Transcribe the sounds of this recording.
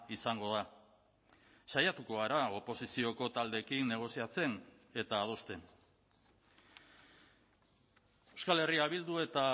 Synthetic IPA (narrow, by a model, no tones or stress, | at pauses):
isaŋɡo̞ð̞a | sajat̪uko̞aɾao̞po̞sisio̞ko̞t̪ald̪e̞kinːe̞ɣ̞o̞siat͡se̞n | e̞t̪aːð̞o̞st̪e̞n | ewskale̞riaβild̪ue̞t̪a